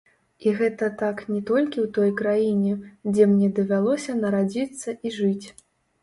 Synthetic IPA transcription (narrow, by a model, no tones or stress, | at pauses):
iɣɛt̪ɐt̪aknʲɛt̪ɔlʲkʲiwt̪ɔjkɾajinʲɛd͡zʲɛmnʲɛd̪ɐvʲalˠɔsʲɐnɐɾad͡zʲit̪sːɐʔiʐɨt͡sʲ